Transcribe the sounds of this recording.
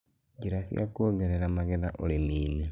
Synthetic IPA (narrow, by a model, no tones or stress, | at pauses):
ɟiɾasja̰koːɡeɾeɾamaɣeðaʔolemiːne